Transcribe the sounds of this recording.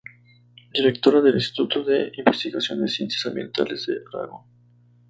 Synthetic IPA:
d̪iɾekt̪o̞ɾaðelinst̪i̥t̪ut̪oðeimbest̪iɣasjo̞̰nd̪esjent̪esãmbjẽ̞̰nt̪a̰lezd̪ḛɾa̰ɣon

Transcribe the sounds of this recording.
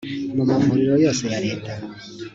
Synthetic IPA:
mumavuɾiɾɔjɔsɛjaɾɛta

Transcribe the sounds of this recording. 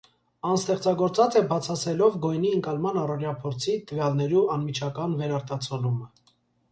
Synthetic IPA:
ɑnst̪ɛχt͡sɑɡɔɾt͡sɑt͡sɛbɑt͡sʰɑsɛlɔvɡɔjniəŋkɑlmɑnɑrɔɾjɑpʰɔɾt͡sʰit̪əvjɑlnɛɾuɑnmit͡ʃʰɑkɑnvɛɾɑɾt̪ɑt͡sʰɔlumə

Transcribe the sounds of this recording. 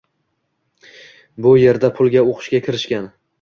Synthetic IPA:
bʊje̞ɾd̪apʰʊlˠɡʲaoqʰɨ̥ʃɡʲakʲʰɪɾɪʃkʲan

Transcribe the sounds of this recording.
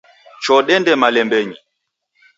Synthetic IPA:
t͡ʃɔɗɛndɛmalɛmbɛɲi

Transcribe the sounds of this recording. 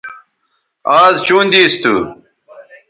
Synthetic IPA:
aːzt͡ɕuːnd̪iːst̪ṵ

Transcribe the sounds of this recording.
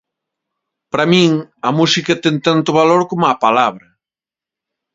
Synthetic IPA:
pɾamĩŋɐmusikɐt̪ɛŋt̪ant̪ʊβaloɾkomʊapalaβɾɐ

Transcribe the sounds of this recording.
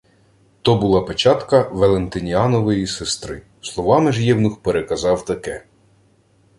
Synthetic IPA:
t̪ɔbʊlˠɑpet͡ʃɑt̪kɐʋelˠent̪ɪnʲiɑnɔʋɪjisest̪ɾɪ | slˠɔʋɑmɪʒjɛwnʊxpeɾekɐzɑwt̪ɐkɛ

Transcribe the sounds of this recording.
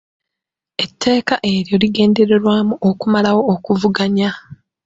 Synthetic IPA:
e̞tʰːe̞ːkaʔe̞ɾjo̞liɡe̞ːnde̞ɾe̞ɾwaːmuʔokumalawo̞ːkuvuɡaɲa

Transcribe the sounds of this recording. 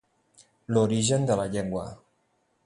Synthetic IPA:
loɾiʒənd̪ələʎeŋɡwə̰

